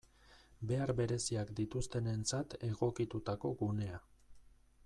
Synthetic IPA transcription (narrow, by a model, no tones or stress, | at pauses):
be̞aɾβe̞ɾe̞siakd̪it̪ust̪e̞ne̞nt͡sat̪e̞ɣo̞kit̪ut̪ako̞ɡune̞a